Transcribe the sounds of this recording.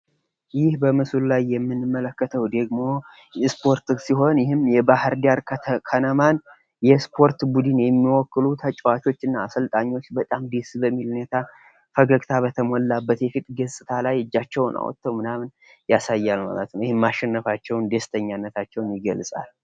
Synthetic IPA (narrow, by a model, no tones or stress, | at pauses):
jɪhbəmɨsullajːɛmːɨnːɨmːələkːət̪ʰəwd̪əɡmo̞ | spʰo̞ɾt̪ɨsiɦo̞njɪhɨmːjɛbahɨɾd̪aɾkʰanəman | jɛspʰo̞ɾt̪bud̪ɨnjɛmːiwɔkːɨlut̪ʰət͡ʃʼɛwat͡ʃ̪o̞t͡ʃːɨnːaːsəlt̪ʼaɲːo̞t͡ʃːbət̪ʼamd̪esbəmːilunet̪ʰa | fəɡəɡt̪ʰaβət̪ʰəmɔlːabːət̪jɛfit̪ʼɡəsʼɨt̪ʰalajɨd͡ʒːat͡ʃːɛwnʔa̰wɔ̰t̪ʰːəwmɨnamn | jasajːalma̰lə̰t̪nəwjɪhɪmmaʃɛnːəfat͡ʃːɛwnd̪est̪ʰəɲːanːət̪ʰat͡ʃːɛwnjɪɡəlsʼa̰l